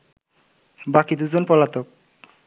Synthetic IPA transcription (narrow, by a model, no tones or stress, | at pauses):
bakid̪ud͡ʑonpɔlat̪ok̚